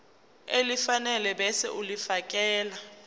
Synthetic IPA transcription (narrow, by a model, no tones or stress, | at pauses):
elifanɛlɛbɛsɛ̰ʔulifak̬ʼɛːla